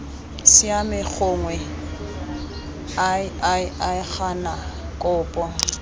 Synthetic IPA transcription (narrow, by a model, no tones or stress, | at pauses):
sɪamɪk͡xʰʊːŋwɛ | aɪaɪaɪχana | kʼʊːpʼɔ